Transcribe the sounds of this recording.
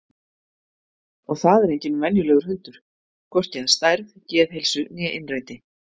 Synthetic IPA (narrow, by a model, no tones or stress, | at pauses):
ɔɣθaðɛɾejɲcɪnmɛnjʏlɛːɣʏɾ̥hʏnt̪ʏɾ̥ | kʰvɔr̥cɛðast̪ajɾðcɛːðɦejlsʏnjɛʔɪnraːjt̪ɪ